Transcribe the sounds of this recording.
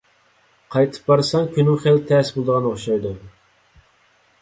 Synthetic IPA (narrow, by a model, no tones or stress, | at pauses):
qʰɑjt̪ʰɨ̥p̚bɑɾsɑŋkʲʰynɪŋχelt̪ʰɛsbolˠd̪əʁɑnoχʃɑjd̪u